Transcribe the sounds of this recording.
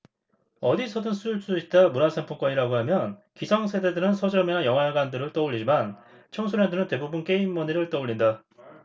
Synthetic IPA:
ʌdisʰʌdɯnsʰuɭs͈uit̚t͈amunasʰempʰok͈wʌɲiɾaɡoɦamjʌnkisʰʌŋsʰe̞de̞dɯɾɯnsʰʌd͡ʑʌmeajʌŋɦaɡwandɯɾɯɭt͈ʌuʎːid͡ʑiman | t͡ɕʰʌŋsʰunjandɯɾɯnte̞bubunk͈e̞imːʌniɾɯɭt͈ʌuɭːinda

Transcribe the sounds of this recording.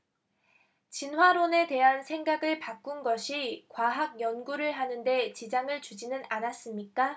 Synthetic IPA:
t͡ɕinɦwaɾone̞te̞ɦansʰe̞ŋɡaɡɯɭpak͈unɡʌɕʰikwaɦaɡ̚jʌnɡuɾɯɭɦanɯnde̞t͡ɕid͡ʑaŋɯɭt͡ɕud͡ʑinɯnanas͈ɯmɲik͈a

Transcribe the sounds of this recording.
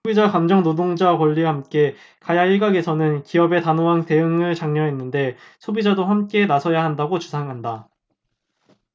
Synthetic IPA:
sʰobid͡ʑakamd͡ʑʌŋnodoŋd͡ʑakwʌʎːiɦamk͈e̞ | kajaiɭɡaɡe̞sʰʌnɯnkiʌbe̞tanoɦante̞ɯŋɯɭt͡ɕaŋɲʌɦe̞nːɯnde̞ | sʰobid͡ʑadohamk͈e̞nasʰʌjaɦandaɡot͡ɕusʰaŋɦanda

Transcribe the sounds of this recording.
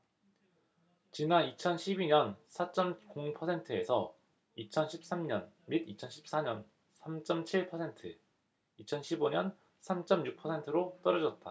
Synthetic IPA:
t͡ɕinanit͡ɕʰʌnɕʰibiɲʌnsʰat͡ɕ͈ʌmkoŋpʰʌsʰe̞ntʰɯesʰʌ | it͡ɕʰʌnɕʰi̥p̚s͈amɲʌn | midit͡ɕʰʌnɕʰi̥p̚s͈aɲʌn | sʰamt͡ɕ͈ʌmt͡ɕʰiɭpʰʌsʰe̞ntʰɯ | it͡ɕʰʌnɕʰiboɲʌn | sʰamt͡ɕ͈ʌmjuk̚pʰʌsʰe̞ntʰɯɾot͈ʌɾʌd͡ʑʌt̚t͈a̰

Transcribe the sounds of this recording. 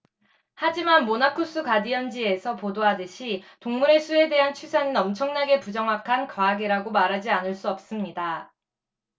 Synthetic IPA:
had͡ʑimanmonakʰos͈ʰukadiʌnd͡ʑie̞sʰʌpodoɦadɯɕʰitoŋmuɾe̞sʰue̞de̞ɦant͡ɕʰusʰaninʌmt͡ɕʰʌŋnaɡe̞pud͡ʑʌŋɦakʰankwaːɡeɾaɡomaɾɦad͡ʑianɯɭs͈uʌp̚s͈ɯmɲida

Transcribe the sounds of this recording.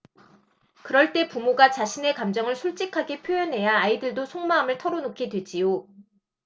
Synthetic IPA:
kɯɾʌɭt͈e̞pumoɡat͡ɕaɕʰine̞kamd͡ʑʌŋɯɭsʰuɭt͡ɕ͈ikʰaɡe̞pʰjojʌnɦe̞jaaidɯɭdosʰoŋmaamɯɭtʰʌɾonokʰedwe̞d͡ʑijo

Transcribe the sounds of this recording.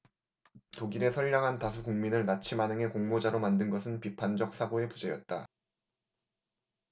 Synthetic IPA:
toɡiɾe̞sʰʌʎːaŋɦantasʰukuŋminɯɭnat͡ɕʰimanɯŋe̞koŋmod͡ʑaɾomandɯnɡʌsʰɯnpipʰand͡ʑʌk̚s͈ʰaɡoe̞pud͡ʑe̞jʌ̰t̚t͈a

